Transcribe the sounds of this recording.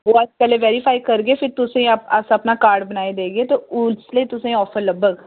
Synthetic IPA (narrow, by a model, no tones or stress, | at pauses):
ɦoːəd͡ʒpɛːleːʋɛːɾipʰaːikəɾɡeːpʰɪɾt̪ʊsẽːəpəsəpnaːkaːɾɖbənaːed̪eːɡeːt̪eːʊsləiːt̪ʊsẽːɔːpʰəɾləbəɡ